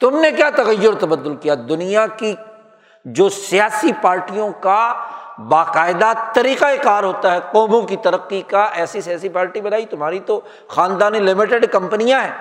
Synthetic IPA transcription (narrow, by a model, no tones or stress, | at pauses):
t̪ʊmnekjaːt̪ɐɣəjːʊɾt̪ɐbəd̪ːʊlkijad̪ʊnijaki | d͡ʒoːsijaːsipaːɾʈijõkabaːqaːɪd̪at̪ɐɾiːqaekaːɾɦoːt̪aɦɛqɔːmõkit̪ɐɾəqːikaʔɛːsisijaːsipaːɾʈibɐnaːit̪ʊmaːɾit̪o | xaːnd̪aːnelɪmɪʈeɖkɐ̃mpənijãɦɛː